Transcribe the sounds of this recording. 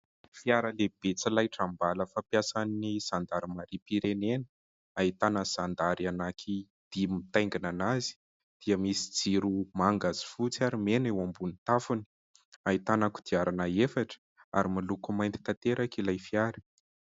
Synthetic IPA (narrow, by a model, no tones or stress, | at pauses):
fiaɾəleb̥et͡silajʈ͡ʂambaləfapjasaniz̥and̪aɾimaɾipiɾenenə̥ | ait̪anəz̥and̪aɾianakʰi | d̪̥imit̪ajŋɡinanazi̥ | d̪̥iəmisi̥d͡ziɾumaŋɡazi̥fut͡siaɾimenewambunit̪afuni̥ | ait̪anaku̥d̪̥iaɾanaefaʈ͡ʂə̥ | a̰ɾimalukumajnt̪i̥t̪at̪eɾakilajfiaɾi̥